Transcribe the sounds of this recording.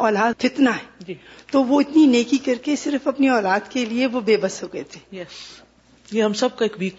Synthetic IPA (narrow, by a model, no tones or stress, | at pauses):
ɔːlaːd̪t̪ɪt̪naɦɛːd͡ʒit̪oʋoɪt̪nineːkikɐɾkesɪɾfɐpniɔːlaːd̪kelieʋobeːbɐsɦoɡɐet̪ʰe̥ːjɛs | jeɦɐmsɐb̚kaeːkbiːk